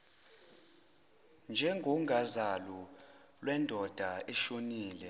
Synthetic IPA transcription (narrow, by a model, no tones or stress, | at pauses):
nd͡ʒʱɛŋɡʱɔŋʱazalɔlwɛndʱɔd̥ʱaɛʃoniːlɛ